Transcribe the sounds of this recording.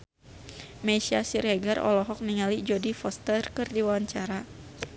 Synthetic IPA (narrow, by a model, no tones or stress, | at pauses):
mɛsiasiɾɛɡarɔ̰lɔɦɔk̚niŋalid͡ʒɔdifɔst̪ərkɨrdiwawaɲt͡ʃaɾa